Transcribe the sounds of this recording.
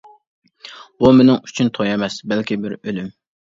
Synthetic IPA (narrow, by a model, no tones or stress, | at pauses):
bumɪnɪŋyt͡ʃʰynt̪ʰojɛmɛsbɛlkʲibɪɾølym